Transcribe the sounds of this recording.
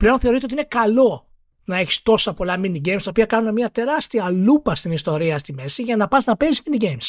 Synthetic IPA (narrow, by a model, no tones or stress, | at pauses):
ple̞o̞nθe̞o̞ɾit̪eot̪inekɐlo̞ | nɐe̞çi̥st̪o̞sɐpo̞lɐminiɟe̞jmst̪ɐopiɐkɐnunemɲiɐt̪e̞ɾɐst̪iɐlupɐst̪inist̪o̞ɾiɐst̪ime̞siʝɐnɐpɐznɐpe̞zizminiɟejms